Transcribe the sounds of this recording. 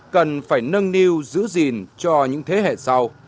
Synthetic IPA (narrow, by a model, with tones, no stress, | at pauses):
kə˨˩nfaː˧˩jnə˧nni˧wzɨ̰˧˥zi˨˩nt͡ɕɔ˧ɲɨ̰˧˥ŋt̪ʰe˨˦ɦḛ˧˨sa˧w